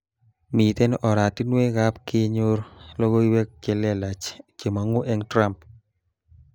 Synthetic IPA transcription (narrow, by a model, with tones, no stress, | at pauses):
mi˨t̪e˦nʔɔ˨ɾa˨ti˦nwe˦ɣa˦pkɪ˦ɲo˦ɾlɔ˦ɡo˦i˦wɛ˦kːe˨lɛ˦la˨t͡ʃke˨ma˨ŋo˦ʔɛ˦ŋtɾa˦mp